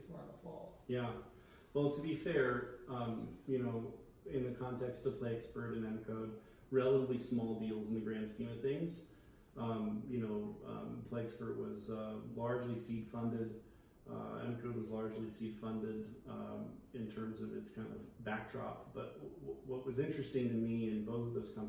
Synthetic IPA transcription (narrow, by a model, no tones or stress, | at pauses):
spɑɹnəfɔ̰lˠjæ | wɛlˠtʰɨbifɛɹʌ̃mjɨnoʊ | ɪ̃nðɨkʰɑ̃ntʰɛkstʌv̥pʰl̥eɪɛkspə˞ɾɨ̃nɛnɨkʰoʊd̚ | ɹɛlˠəɾəvlismɔlˠdilˠzn̩ðɨɡɹæ̃nd̥skĩnʌv̥θɪ̃ŋz̥ | ʌ̃mjɨnoʊʌ̰pʰl̥eɪɛkspə˞ʔwʌ̰zʌlɑɹd͡ʒlisid̥fʌ̃ndɪd | ʌ̰ɛ̰nɨkʰoʊd̚wʌzlɑɹd͡ʒlisid̥fʌ̃ndɪd | ɨ̃ntʰɜ̃˞mzʌvɨ̰tskʰãɪ̃ndʌ̰vbæk̚d̥ɹɑ̰p̚b̥ʌt̚wʌwʌʔ̚wʌzɪ̃nt͡ʃɹ̥ɨstɪ̃ŋtɨmiɪ̃nboʊθʌvðoʊz̥kʰʌ̃m